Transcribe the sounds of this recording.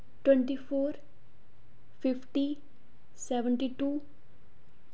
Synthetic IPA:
ʈwɛ̃ɳʈipʰoːɾ | pʰɪpʰʈi | sɛːʋəɳʈiʈuː

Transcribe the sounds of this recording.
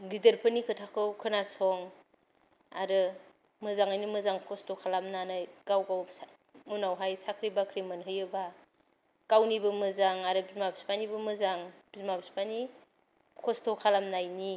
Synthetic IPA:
ɡideɾpʰɯnikʰɯtʰakʰɯwkʰɯnasɔŋ | aɾɯ | mɯzaŋajnimɯzaŋkʰɔstʰɔkʰalamnanajɡ̥awɡaw | munawɦajsakʰɾibakʰɾimɯnɦɯjɯba | ɡ̥awnibɯmɯzaŋaɾɯbizmabispanibɯmɯzaŋb̥izmabispani | kʰɔstʰɔkʰalamnajni

